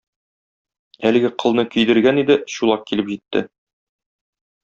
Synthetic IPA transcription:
ælɘ̆ɡɘqʰɤ̆lˠnɤkɵ̆jd̪ɘ̆ɾɡænid̪ɘɕulˠɑq̚kilɘpʑit̪ːɘ̰

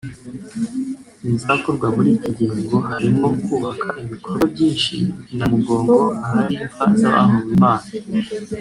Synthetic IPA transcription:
izakoɾɡwamuɾiciɟiːŋɡo̞haɾimo̞kuːβakʰaʔiβikʰoɾobjiːnʃḭinamuɡo̞ːŋɡo̞ahaɾimvaza̰βa̰ːɦuwimaːna

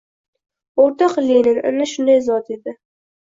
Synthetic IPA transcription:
oɾt̪ʰɒqlenɪnɪ̰nɪʃʊnd̪ajzɒt̪ed̪ɪ

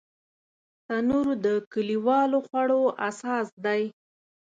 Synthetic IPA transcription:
t̪anuɾd̪əkəliwɑloxwaɽoasɑsd̪aj

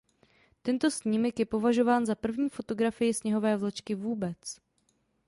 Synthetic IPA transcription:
t̪ɛnt̪o̞sɲiːmɛkjɛpo̞vaʒo̞vaːnzapr̩vɲiːfo̞t̪o̞ɡɾafɪjɪsɲɛɦo̞vɛːvlɛt͡ʃkɪvuːbɛt͡s

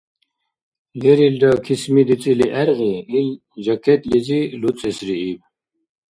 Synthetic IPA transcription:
lɛɾild̪akʰismid̪it͡sʼiliʔæɾɣiːl | d͡ʒakʰɛt̪lid͡zilut͡sʼɛsɾiib

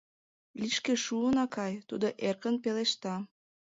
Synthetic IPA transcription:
liʃkeʃuənɑkɑjt̪ud̪oʔerkənpeleʃt̪ɑ

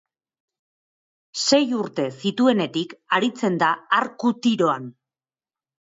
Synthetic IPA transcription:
se̞juɾt̪e̞sit̪ue̞ne̞t̪ikaɾit͡se̞nd̪aaɾkut̪iɾo̞an

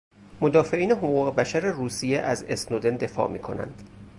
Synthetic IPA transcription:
mod̪ɒːfe̞ʔiːneɦoɣuːɣebæʃæɾeruːsijeʔæzesnod̪end̪e̞fɒ̰ːmḭːkʰo̞̰næ̰nd̪̥

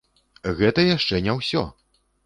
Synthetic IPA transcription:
ɣɛt̪ɐjaʂt͡ʂɛnʲawsʲɔ̰

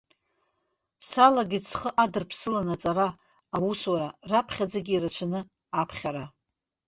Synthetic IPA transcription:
salaɡʲit͡sʰχəʔadɨrpʰsɨlanat͡sʼaɾaː | wuswaɾarapʰχʲad͡zaɡʲiːrat͡ʃʷʰanɨ | apʰχʲaɾa

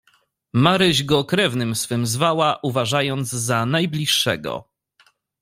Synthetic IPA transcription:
maɾɘʑɡɔkɾɛvnɘmsfɘmzvawaʔuvaʐajɔnd̪zzanajblʲiʂːɛɡɔ̰

